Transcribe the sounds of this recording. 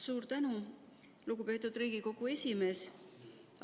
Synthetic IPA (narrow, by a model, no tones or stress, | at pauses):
suːɾt̪ænu | luɡ̥upe̞ːt̪ːˑud̪̥riːɡ̥iko̞ɡ̥ue̞sʲime̞ːs